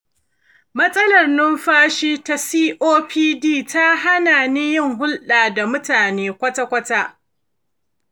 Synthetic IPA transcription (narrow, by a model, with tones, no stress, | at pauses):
mɐ˦sʼɐ˦lɐ˨rnʊ˦mɸaː˦ʃiː˦ta˨siː˦ʔoː˦pʰiː˦diː˦˨ta˦ɦa˦naː˨ni˦jɪ˦˨ŋɦʊ˦lɗaː˨da˨mʊ˦taː˨neː˦kʷɐ˦ta˦kʷɐ˦taː˦ʔ